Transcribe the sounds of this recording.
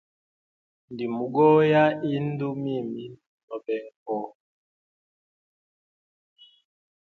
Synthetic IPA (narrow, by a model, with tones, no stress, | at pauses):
n˨di˨mu˨ɡɔ˦ja˦i˦n̩˦du˦mi˦˨mi˦ | nɔ˨bɛ˨˦ŋ˦kɔ˦